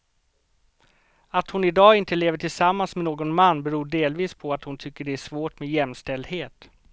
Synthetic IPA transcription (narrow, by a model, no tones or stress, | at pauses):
at̪hʊnɪd̪ɑːɪnt̪əleːvəʈʰɪlsamːansmɛnoːɡɔnmanːbɛɾuːɖeːlviːspʰɔat̪hʊnt̪ʰʏkːəɖɛæʂvoːʈmejɛmst̪ɛld̪heːt̪